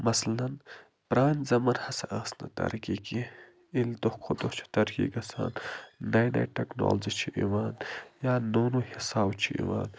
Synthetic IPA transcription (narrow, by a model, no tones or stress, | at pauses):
mɐslɐn | pɾaːnʲzɐmɐnhɐsɐʔɐsnɐ̰t̪ɐ̰ɾkiːki | ilt̪ohkʰot̪oht͡ʃʰi̥t̪ɐɾkḭːkɐsa̰ːnːajnɐ̰jʈɐkno̰ːlzit͡ʃʰiʔiʋaːnjaːnoːnuːhisaːbt͡ʃʰiʔḭʋa̰ːn